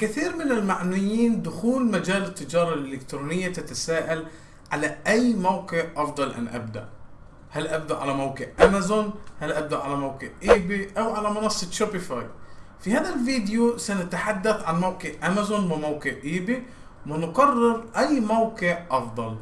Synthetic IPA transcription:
kɪθiːɾmɪnɪlmaʕnʊjːiːnd̪ʊxuːlmad͡ʒaːlɪt̪ːɪd͡ʒɑːɾˤɑlʔɪlɪkt̪ɾuːnɪjːat̪at̪asaːʔal | ʕalaʔajmowkɪʕʔɑfd̪ˤɑlʔa̰nʔa̰b̚d̪a̰ʔ | halʔab̚d̪aʔʕalamawqɪʕʔamazʊnhalʔab̚d̪aʔʕalamawkɪʕʕʔiːbiʔawʕalamɑnɑsˤːɑt̪ʃɑpɪfɑːjfihaːðalviːd̪ɪjusanat̪aħad̪ːaθʕanmawqɪʕʔamazʊnwɪmawkɪʕʔiːbi | wɪnqɑrˤːɪɾʔajːmowkɪʕʔɑfd̪ˤɑl

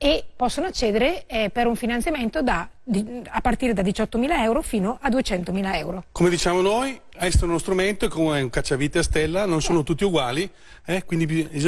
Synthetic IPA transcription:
epɔsːonoat͡ʃːeːd̪eɾepeɾuɱfinansjament̪od̪ad̪iapːart̪iːɾed̪ad̪it͡ʃɔt̪ːomiːlaɛwɾofiːnoʔad̪uet͡ʃɛnt̪omiːlaɛwɾokomed̪it͡ʃaːmonoj | ɛst̪ounost̪ɾument̪oekomeuŋkat͡ʃːavit̪east̪ɛlːanonsoːnot̪ut̪ːiuɡwaːli | ɛkwind̪ipez

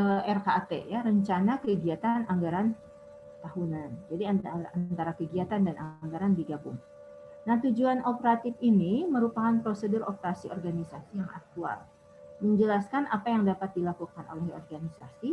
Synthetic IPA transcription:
əɛrkat̪ḛjaɾəɲt͡ʃanakəɡiat̪anaŋɡaɾan | t̪ahunand͡ʒadiaant̪aɾakəɡiat̪andanʔaŋɡaɾandiɡabʊ̰ŋ | naht̪ud͡ʒuanopəɾat̪ɪfiniməɾupakanpɾosədʊropəɾasiʔɔ̰rɡanisasijaŋʔa̰k̚t̪ua̰l | məɲd͡ʒəlaskanʔa̰pajaŋdapat̪̚dilakukano̰lɛhɔ̰rɡanisasi

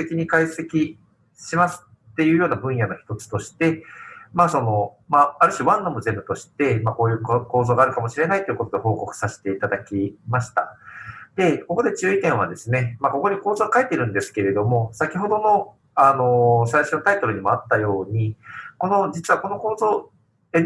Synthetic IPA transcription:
t̪ekʲiɲ̟ikaise̞kʲi | ɕimasɨ̥ | t̪ːe̞jɯ̟ːjo̞ːnabɯ̟̃ɰ̃jano̞çi̥t̪o̞t͡sɨ̥t̪o̞ɕi̥t̪e̞maːso̞no̞maaɾɯ̟ɕiβãnd̪o̞moze̞mbɯ̟t̪o̞ɕi̥t̪e̞mako̞ːjɯ̟ːkko̞ːzoːɡaːɾɯ̟kamo̞ɕiɾe̞nait̪oiɯ̟ko̞t̪o̞d̪e̞ho̞ːko̞kɯ̟̥saɕi̥t̪e̞it̪ad̪akʲimaɕi̥t̪ad̪̥e̞ko̞ko̞d̪e̞t͡ɕɨːik̪ẽɰ̃β̞a̰d̪e̞sɨne̞mako̞ko̞ɲ̟iko̞ːzoɡakaet̪ːeɾɯ̟̃nd̪e̞sɨ̥ke̞ɾe̞d̪o̞mo̞sakʲiɦo̞d̪o̞no̞ | ano̞s̬aiɕonot̪ait̪o̞ɾɯ̟ɲ̟imo̞at̪ːajo̞ːɲ̟iko̞no̞d͡ʑit͡sɨβako̞no̞ko̞ːzo̞ː | e

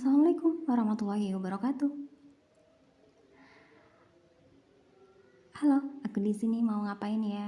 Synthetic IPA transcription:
salamalakʊmwaɾɑhmat̪ulahiwabaɾɔkat̪u | aloakudisinimauŋapaɪnja

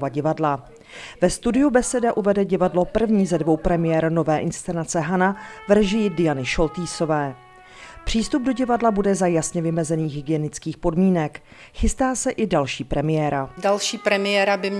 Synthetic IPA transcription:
vaɟɪvadla | vɛst̪udɪjubɛsɛdaʔuvɛdɛɟɪvadlo̞pr̩vɲiːzɛdvo̞wpɾɛmɪjɛɾno̞vɛːʔɪnst̪t͡sɛnat͡sɛɦanavɾɛʒɪjɪdɪjanɪʃo̞lt̪iːso̞vɛː | pr̝̥iːst̪ub̚do̞ɟɪvadlabudɛzajasɲɛvɪmɛzɛniːxɦɪɡɪjɛnɪt͡skiːxpo̞dmiːnɛk | xɪst̪aːsɛʔɪdalʃiːpɾɛmɪjɛːɾadalʃiːpɾɛmɪjɛːɾabɪm

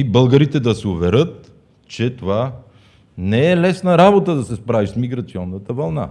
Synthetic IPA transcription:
ibɤlˠɡəɾit̪ɛd̪ɐsɛʊvɛɾɤt̪̚ | t͡ʃɛt̪ova | nɛɛlɛsnəɾabot̪əd̪ɐsɛspɾavismiɡɾɐt̪siɔnːət̪əvɐlˠna̰

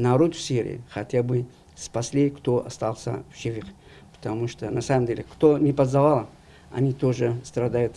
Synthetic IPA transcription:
nɐɾot̪fsʲiɾʲɪ̰ɪ̰xɐtʲabɨ | spɐsʲlʲikt̪oʔɐst̪alˠsʲə̰fʃɪvʲɨχ | pə̥t̪ɐmuʂt̪onɐsaməmdʲelʲɪkt̪onʲɪpɐzɐvalˠ | ɐ̰nʲit̪oʐɨst̪ɾɐd̪ajʊt̪

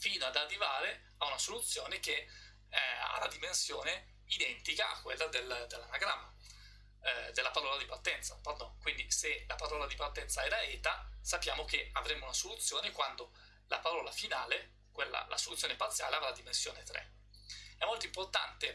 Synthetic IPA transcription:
fiːnoad̪arːivaːɾe | aunasolut̪sːjoːneke | a̰ɾad̪imensjoːne | id̪ɛnt̪ikaa̰kːwḛlːad̪eld̪elːanaɡɾamːa | d̪elːapaɾɔːlad̪ipart̪ɛnt̪sapard̪ɔnkwind̪iselapaɾɔːlad̪ipart̪ɛnt̪saɛːɾaɛːt̪asapːja̰ːmokeavɾemounasolut̪sːjoːnekwand̪o | lapaɾɔːlafinaːle | kwelːa̰la̰solut̪sjoːnepart̪sːja̰ːleavɾad̪imensjo̰ːnet̪ɾḛ | ɛmːolt̪oimport̪a̰nt̪e

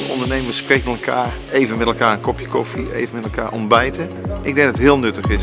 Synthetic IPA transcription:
əɔ̰ndəɹnejməsprejkənɛlˠkʰa̰ːr | ejvənmɛtɛlˠkaːɹənkɔpjəkɔfiḛjvənmɛtɛlˠka̰ːɹɔ̰nbɛjtə | ʔɪɡ̚dɛŋdətɦɪːlˠnɵtəχɪs

